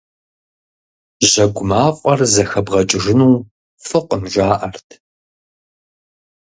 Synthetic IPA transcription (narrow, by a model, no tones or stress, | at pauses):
ʑɐɡʷʊmaːqʷʼɐrzɐxɐbʁɐt͡ʃʼɪʒɪnuː | fɨqʷəmʒʷaːʔɐrtʰ